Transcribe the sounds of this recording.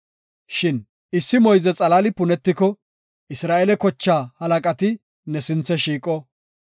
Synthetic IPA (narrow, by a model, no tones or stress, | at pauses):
ʃɪn | ɪsːɪmɔjzɛt͡sʼɐlaːlɪpʊnɛt̪ːɪkɔ | ʔɪsɾaːʔɛlɛkɔt͡ʃːaːhɐlɐkʼɐt̪ɪ | nɛsɪnt͡sːɛʃiːkʼɔ